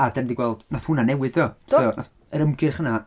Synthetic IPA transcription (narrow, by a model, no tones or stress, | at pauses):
adɛndiɡwɛlˠd̥naθhʊnanɛwɨdɔtʰɔnaθ | əɾəmɡɨχəna